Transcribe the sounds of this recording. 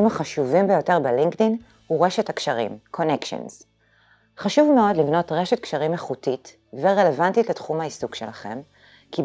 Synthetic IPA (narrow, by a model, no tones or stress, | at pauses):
imaχaʃuvimbejo̞te̞ʁbeliŋktin | huʁeʃethakʃaʁḭmkʰo̞nekʃḛnz | χaʃuvmeo̞dlivno̞tʁe̞ʃet̚kʃaʁimeχutit | veʁelevantitletχumhaisukʃelaχe̞̰m | ki